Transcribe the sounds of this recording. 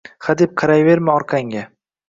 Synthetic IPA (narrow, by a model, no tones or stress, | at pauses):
χad̪ep̚qʰɑɾajve̞ɾmɪɒɾqʰaŋɡʲa